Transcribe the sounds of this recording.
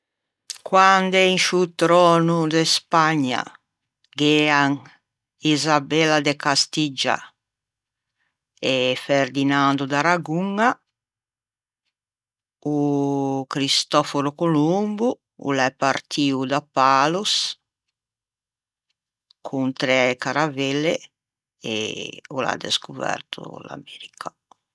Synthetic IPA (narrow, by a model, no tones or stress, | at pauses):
kwand̪ɛinʃut̪ɾɔːnud̪ɛspaɲːa̰ | ɡɛaŋ | izabɛlad̪ekast̪id͡ʒa̰ | eferd̪inand̪ud̪aɾaɡuŋa | ukɾist̪ɔfoɾukolumbu | ṵlɛpːaɾt̪ʰiːud̪apːaːlus | kʰunt̪ɾɛkaɾavɛlːe | ḛula̰d̪ḛskuvɛ̰rt̪ʰṵla̰mɛɾikʰa